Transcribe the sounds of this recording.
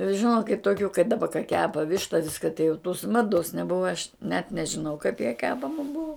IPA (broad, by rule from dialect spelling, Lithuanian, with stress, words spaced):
ʒʲɪˈnoːkʲɪt toːˈkʲuː kɐɪ dɐˈbɐ kɐ ˈkʲæːpɐ ˈʋʲɪʃtɐ ˈʋʲɪskɐ tɐɪ jɛʊ tʊs ˈmɑːdoːs nʲɛˈbʊʋɐ ɐʃ nʲɛt nʲɛʒʲɪˈnɐʊ kɐɪp jɛ ˈkʲæːpɐmɐ ˈbuɔ